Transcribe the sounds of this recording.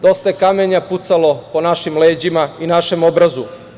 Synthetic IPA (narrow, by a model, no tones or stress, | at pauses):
d̪o̞st̪aekame̞ɲaput̪salo̞po̞naʃimleːd͡ʑimainaʃe̞mo̞bɾazu